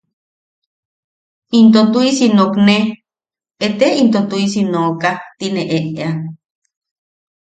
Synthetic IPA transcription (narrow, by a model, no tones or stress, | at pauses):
int̪ot̪uisinokne | et̪eint̪ot̪uisinoːkat̪ineʔeʔea